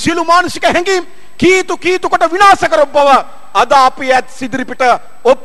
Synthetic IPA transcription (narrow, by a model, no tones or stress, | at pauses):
silumaːnusikɐɦɛ̃ŋɡi | kiːt̪ukiːt̪ukɐʈɐʋinaːsɐkɐɾobːɐʋɐ | ɐd̪aːpijɛːt̪sid̪ɾipiʈɐ | op